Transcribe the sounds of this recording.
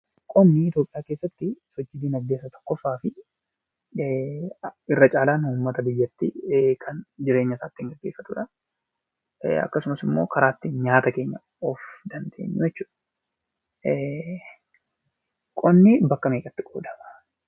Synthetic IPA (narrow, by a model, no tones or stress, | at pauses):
kʼɔnːɪɪt̪jo̞ːpʼɪjaːke̞ːsːɐt̪ːɪsɔd͡ʒːɪd̪iːnɐɡe̞ːs̬ːɐt̪ɔ̥kːɔfːaːfɪ | ɪrːɐt͡ʃʼaːlaːnuːmːɐt̪ɐbɪjːɐt̪ːɪkʰɐnd͡ʒɪɾe̞ːɲːɐsaːt̪ːɪŋɡɐɡːe̞ːfːɐt̪ʊᶑɐ | ɐ̰kːɐsʊmɐsɪmːo̞ːkʰɐɾaːt̪ːɪnɲaːt̪ɐke̞ːɲːɐ | ɔfd̪ɐnd̪e̞̰ːɲːʊjɛt͡ʃːu̥ːᶑɐ | kʼɔnːɪbɐkːɐmeːkʼɐt̪ːɪɡo̰ːd̪ɐmɐ̥